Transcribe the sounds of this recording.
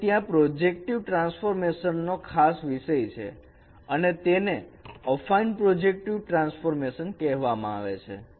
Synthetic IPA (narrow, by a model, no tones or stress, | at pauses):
t̪jãpɾod͡ʒek̚ʈiʋʈɾãnsfoɾmeʃənːokʰasʋiʃəjt͡ʃʰḛ | ənet̪eneəfainɖpɾɔd͡ʒek̚ʈiʋʈɾãnsfoɾmeʃənkɛɦʋamãa̰ʋḛt͡ʃʰḛ